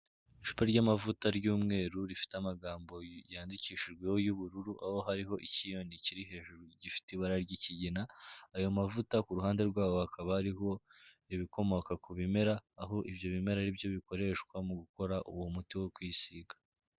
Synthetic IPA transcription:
iʃu̥peɾɟamavutaɾɟuːmŋe̞ːɾuɾifi̥teamaɡaːmbo̞jaːndiciːʃiʒɡwe̞wojuβuɾuɾuʔaho̞ɦaɾiɦo̞ʔicijo̞niciɾiɦe̞ːʒuɾuɟifi̥tiβaɾaɾɟiciɟinaːjomavutakuɾuhaːnde̞ɾɡwaːwohakʰaβaɾiɦo̞iβiko̞mo̞kakuβime̞ɾaːɦo̞ʔibjo̞βime̞ɾaɾibjo̞βiko̞ɾe̞ʃkwamuɡuko̞ɾaʔṵwomutiwokwiːsiɡa

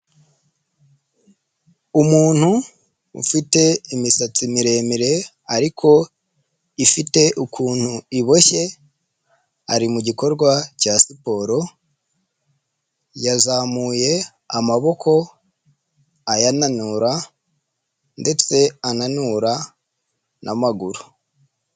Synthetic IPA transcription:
umuːn̥hṵː | fite̞imisat͡simiɾe̞ːmiɾe̞ | aɾikʰo̞ | ifite̞ʔukʰuːn̥huiβo̞çe̞ | aɾimuɟiko̞ɾɡwacasipo̞ːɾo̞ | jazaːmuːje̞ | amaβo̞kʰo̞ | ajananuɾa | nde̞t͡se̞ananuɾa | nʔamaɡuɾu

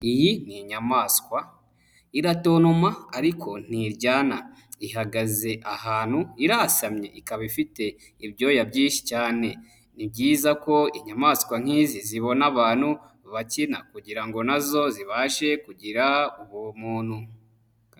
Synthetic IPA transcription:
ijiniɲamaːskwa | iɾato̞ːnumaːɾikʰo̞n̥iɾɟaːnaiɦaɡaze̞ʔahaːn̥huiɾasamɲe̞̰ʔikaβifite̞ | iβɟo̞ːjabɟĩːnʃi̥caːne̞ | nib̚ɟiːzako̞iɲamaːskwaŋ̥iːziziβo̞naβaːn̥hu | βacinakuɟiɾaŋɡo̞nazo̞ziβaːʃe̞kuɟiɾauβomuːnhu

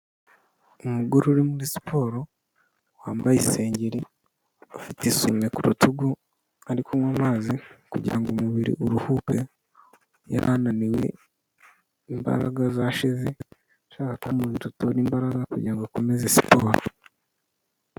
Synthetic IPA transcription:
umuɡuɾuɾimuɾisi̥pʰo̞ːɾo̞ | waːmbajise̞ːɲɟeɾi | afitisumwekuɾutuɡu | aɾikʰomwamaːzikṵɟḭɾaŋɡumuβiɾḭʔuɾuhupe | ja̰ɾʔa̰naniwe̞̰ | imba̰ɾa̰ɡazaʃize | ʃaːkakumuːtutoɾiːmbaɾaɡakuɟḭɾaŋɡokomezesi̥poːɾo̰

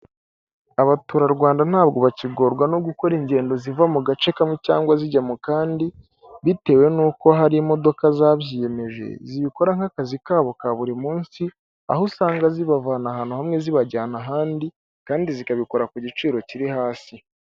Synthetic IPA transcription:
aβatuːɾaɾɡwaːndan̥haːbɡo̞βaciɡo̞ːɾɡwano̞ɡuko̞ɾiɲɟe̞ːndo̞zivamuɡat͡ʃe̞kamŋe̞caːŋɡwaziɟamukaːndi | βite̞ːwe̞nuːko̞ɦaɾimo̞do̞kazaːβjije̞me̞ʒe̞̰ziβiko̞ɾaŋ̥hakazikaːβo̞kaβuɾimuːnsi | a̰hosaːŋɡaziβavaːnaɦan̥uhamŋe̞ziβaɟaːnaɦaːndi | kaːndizikaβikoɾakuɟit͡ʃiːɾo̞ciɾihaːsi

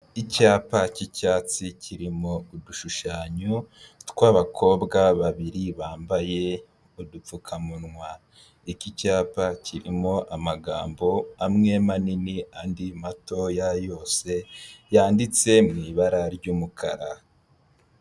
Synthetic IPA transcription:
icaːpacicaːt͡siciɾimo̞uduʃuʃaːɲotkwaːβakʰo̞ːbɡaβaβiɾiβaːmbaje̞ | odup͡fukʰamunŋwa | icicaːpaciɾimo̞ʔamaɡa̰ːmbo̞amŋe̞maniniandimato̞jajo̞ːse̞jaːndit͡se̞mŋiːβaɾaɾɟuːmukʰa̰ɾa

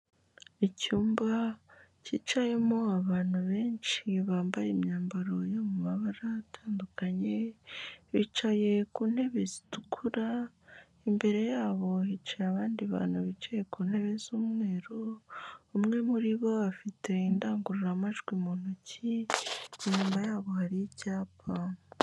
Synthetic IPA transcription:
icuːmbacit͡ʃaje̞moaβaːn̥huβe̞ːnt͡ʃiβaːmbajemɲaːmbaɾo̞jomumaβaɾatʰaːndukaɲe̞ | βit͡ʃaje̞kuːnhe̞βezitukʰuɾa | imbe̞ɾe̞jaːβo̞it͡ʃajaβaːndiβa̰ːn̥huβit͡ʃaje̞kuːnhe̞βe̞zuːmŋe̞ːɾoumŋe̞muɾiβo̞βafitʰe̞indaːŋɡuɾuɾamaʒɡwimonuci | iɲuːmajaːβo̞haɾijicaːpʰaŋ

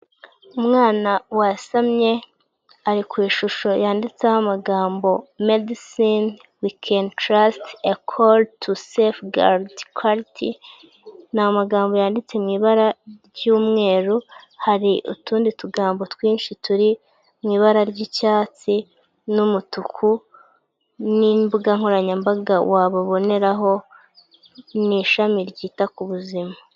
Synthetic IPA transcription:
umŋaːnawasamɲe̞ | aɾikwiːʃuʃo̞jaːndit͡seahamaɡaːmbo̞medisin | wikʰentɾastakʰoltʰusefɡa̰ɾdkʰaɾitʰḭ | namaɡaːmbo̞jaːndit͡se̞mŋiːβaɾaɾɟuːmŋe̞ːɾuhaɾiʔṵtuːndituɡaːmbo̞twiːɲʃituɾi | mwiːβaɾaɾɟicaːt͡si | numutukʰu | nimbuɡaŋ̥oɾaɲambaɡawaːβoβo̞ne̞ɾaɦo̞ | niʃamiɾɟiːtakuβuzima

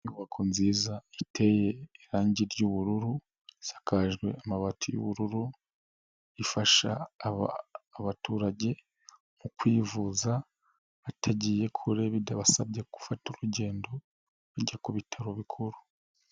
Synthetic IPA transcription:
βakʰonziːzaitʰe̞je̞ːɾaːɲɟiɾjuβuɾuɾu | isḁkʰaʒɡwe̞̰amaβatʰujṵβuɾuɾu | ifaʃa̰aːβatuːɾaɟe̞ | mukwiːvuza | atʰaɟije̞kʰuɾeβidaβasabɟeku̥fatuɾuɟe̞ːndo̞ | βaɟakuβitʰaɾoβikʰuɾu

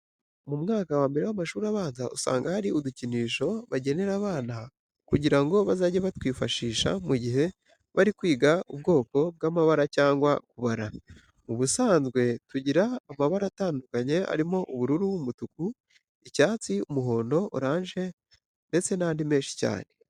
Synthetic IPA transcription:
mumŋaːkawaːmbe̞ɾewamaʃuːɾaβaːnzausa̰ːŋɡahaɾiuduciniːʃo̞βaɟe̞ne̞ɾaβaːna | kuɟiɾaŋɡo̞βazaːɟeβatwiːfaʃiːʃa̰muɟiɦe̞ | βaɾikwiːɡaubɡo̞ːko̞b̚ɡaːmaβaɾacaːŋɡwakuβaɾa | uβusaːnzɡwe̞tuɟiɾaːmaβaɾataːndukaɲe̞a̰ɾimo̞ʔuβuɾuɾuumutuku | icaːt͡siumuɦo̞ːndo̞ʔoɾaːɲʒe̞ | nde̞t͡se̞naːndime̞ːnʃi̥ca̰ːne̞

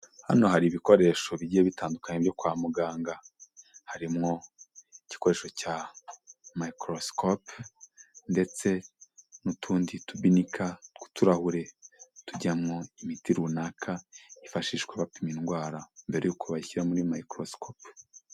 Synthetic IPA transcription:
ha̰no̞haɾiβiko̞ɾe̞ʃo̞βiɟieβitaːndukaɲebjo̞kwaːmuɡaːŋɡahaɾimŋo̞ici̥ko̞ɾe̞ʃo̞ca | maikɾoskʰop | nde̞t͡se̞nutʰuːnditubinikʰaku̥tuɾahuɾe̞tuɟamŋo̞imitiɾunakʰaifaʃiːʃkweβapiminɡwaːɾambe̞ɾejukuβaiçiɾamuɾimaikɾoskop

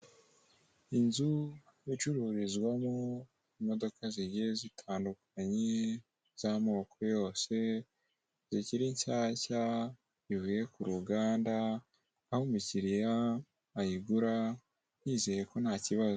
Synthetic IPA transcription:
inzujit͡ʃuɾuɾizɡwamo | imo̞do̞kaziɡezitʰaːndukʰaɲe | z̥amo̞ːkʰo̞jo̞ːse̞ | ziciɾiɲt͡ʃaːca | ziβuje̞kuɾuɡaːndaː | homuciɾijaː | jiɡuɾa | n̥jiːze̞je̞ko̞n̥haːciβazo

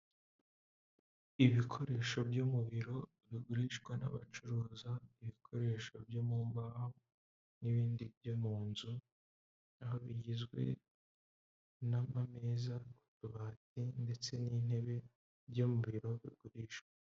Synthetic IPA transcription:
iβikʰo̞ɾe̞ːʃo̞bjomuβiɾo̞ | βiɡuɾiʃɡwana̰βa̰t͡ʃuɾuːzaiβikʰo̞ɾee̞ːʃo̞bjomuːmbaho | niβiːndibjomuːnzu | aɦo̞βiɟizɡwe̞̰ | namameːzakutuβatinde̞t͡se̞nin̥e̞βe̞ | bjomuβiɾo̞βḭɡuɾiːʃwe

